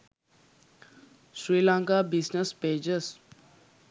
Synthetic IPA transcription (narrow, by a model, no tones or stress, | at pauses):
sɾilãŋkabisnəsped͡ʒəs